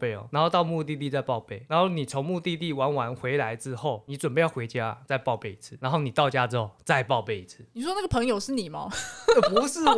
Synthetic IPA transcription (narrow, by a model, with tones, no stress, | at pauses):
e˥˩ɔ̰˨˩na˧nxo˥˧ʊt̪ɑ˥˧ʊmu˥˧t̪i˥˧t̪i˥˧t͡sa˥˧ɪpɑ˥˧ʊpe˥˩ɪna˨˧nxo˥˩ʊni˨˩t͡sʰo˧˦ŋmu˥˧t̪i˥˧t̪i˥˨wa˧˦nwa˧˦nxwe˧˥ɪla˧˦ɪʈ͡ʂɻ̩˥xo˥˩ʊni˨˥ʈ͡ʂwə˨˩mpe˥˧ɪjɑ˥˩ʊwe˧˥ɪt͡ɕja̰˥˨t͡sa˥˧ɪpɑ˥˧ʊpe˥˩ɪi˧˥t͡s̩ʰ˥˧na˧˦nxo˥˩ʊni˨˩t̪ɑ˥˧ʊt͡ɕja˦ʈ͡ʂɻ̩˥xo˥˩ʊt͡sa˥˧ɪpɑ˥˧ʊpe˥˩ɪi˨˩t͡s̩ʰ˥˩ni˨˩ʂwɔ˥na˥˩ɡə˩pʰɤ˧˥˦ŋjo˨ʊʂɻ̩˥˩ni˨˩mɐ̰˧˦˥pu˧˥ʂɻ̩˥˩